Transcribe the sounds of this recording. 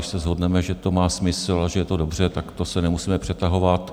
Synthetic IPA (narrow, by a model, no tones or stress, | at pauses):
ɪʃsɛzɦo̞dnɛmɛʒɛt̪o̞maːsmɪsl̩aʒɛjɛt̪o̞do̞br̝ɛt̪akt̪o̞sɛnɛmusiːmɛpr̥ɛt̪aɦo̞vat̪